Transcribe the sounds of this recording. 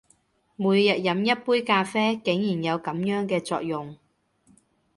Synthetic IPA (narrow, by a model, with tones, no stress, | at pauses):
muː˨˧jjɐ˨t̚jɐ˨˥mjɐ˥t̚puː˥jkaː˧fɛː˥kɪ˨˥ŋjiː˨˩njɐ˨˧wkɐ˨˥mjœː˨˥ŋkɛː˧t͡sɔː˧k̚jʊ˨ŋ